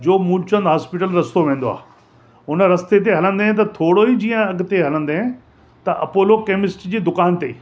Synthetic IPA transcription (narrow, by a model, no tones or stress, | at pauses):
d͡ʑoːmũt͡ɕə̃nd̪ɦaːspɪʈəlɾɐst̪oʋẽːn̆d̪oa̰ː | ʊnə̆ɾɐst̪et̪̬eɦɐlə̃nd̪eɦt̪ɐt̪ʰoːɽoid͡ʑiːə̃ɐɡ̆t̪eɦɐlə̃nd̪eẽ | t̪ɐʔɐ̰poːlokeːmɪsʈd͡ʑiːd̪ʊkaːnt̪eː